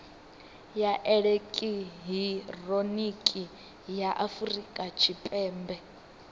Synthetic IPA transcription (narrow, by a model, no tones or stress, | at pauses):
jaʔɛɺekʼiɦironikʼi | jaʔafuɾikʼat͡ʃʰipʼɛːmbɛ